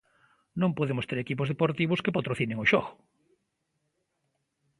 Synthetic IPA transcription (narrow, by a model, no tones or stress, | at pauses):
nõŋpoðemʊst̪eɾekipʊzðepoɾt̪iβʊskepat̪ɾoθinẽŋoʃɔɣʊ̥